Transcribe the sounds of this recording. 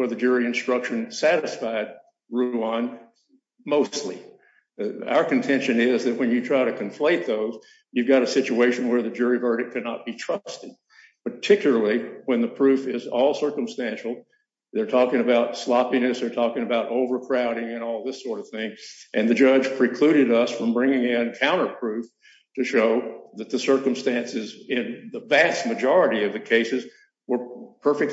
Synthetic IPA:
wə˞ðɨd͡ʒʊɹiɨ̃nstɹ̥ʌkʃɨ̃nsæɾɨsfaɪd̚ | ɹʉə̃n | moʊstˡlḭ | a̰ʊə˞kɨ̃ntʰɛ̃nʃɨ̃nɪzðɨt̚wɨ̃njɨtʰɹ̥aɪɾɨkʰɨ̃ɱfleɪt̪̚ðoʊz | jʉvɡɑɾɨsɪt͡ʃʉeɪʃɨ̃n̩wə˞ðɨd͡ʒʊɹivɜ˞ɾɨk̚kʰænə̰t̚b̥itʰɹ̥ʌstɨd̚ | pə˞tʰɪkjl̩ˠə˞l̩ˠiwə̃nðɨpʰɹ̥ʉfɪzɔlˠsɜ˞kɨ̃m̩stæ̃nʃl̩ˠ | ðə˞tʰɔkɪ̃ŋɨbaʊtslɑpinɨsðə˞tʰɔkɪ̃ŋɨbaʊɾʔoʊvə˞kʰɹ̥aʊɾɪ̃ŋɨ̃nɔlˠðɪsɔɹɾʌv̥θɪ̃ŋʔɨ̃nðɨd͡ʒʌd͡ʒ̥pʰɹ̥ɨkʰl̥ʉɾɨɾʌsfɹʌ̃mbɹɪ̃ŋɪ̃ŋɨɨ̃nkʰãʊ̃ɾ̃ə˞pʰɹ̥ʉf | tʰɨʃoʊðɨt̪̚ðɨsɜ˞kɨ̃m̩stæ̃nsɨzɪ̃nðəvæst̚mɨd͡ʒɑɹɨɾiʌvðɨkʰeɪsɨz | wə˞pʰɜ˞fɨk̚

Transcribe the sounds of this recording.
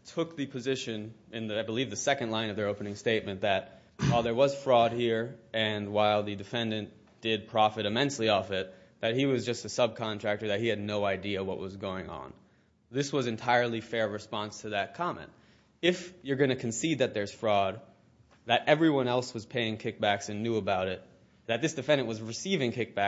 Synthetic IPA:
tʰʊk̚ðɨpʰɨzɪʃɨ̃n | ɨ̃nðaɪbəlivðɨsɛkɨ̃ndlãɪ̃nʌvðəoʊpənɪ̃ŋsteɪt̚mɨ̃nðɨt̚ | waɪlˠðə˞wʌz̥fɹɔd̚hiɹɨ̃nwaɪlˠðɨdɨfɛ̃ndɨ̃n | d̥ɪd̚pʰɹ̥ɑfɨɾɨmɛ̃nsliɔfɪt̪̚ | ðɨt̚hiwʌzd͡ʒʌstɨsʌb̚kʰɑ̃ntʰɹ̥æk̚tə˞ðɨt̚hiɨdⁿnoʊaɪdiɨwʌ̰ʔ̚wʌzɡoʊɪ̰̃ŋə̰̃n | ðɪswʌzɨ̃ntʰaɪə˞lˠifɛɹɹɨspɑ̃nstʰɨðɨt̚kʰɑmɛ̰̃nt̚ | ɪfjə˞ɡʌ̃ñɨkʰɨ̃n̩sid̪̚ðɨt̪̚ðə˞z̥fɹɔd̪̚ | ðɨɾʔɛvɹiwʌ̃nɛlˠswʌz̥pʰeɪɪ̃ŋkʰɪk̚b̥æksɨ̃nːjʉəbaʊɾɪt̪̚ | ðɨt̪̚ðɪsd̥ɨfɛ̃ndɨ̃nʔwʌzɹɨsivɪ̃ŋkʰɪk̚b̥æ

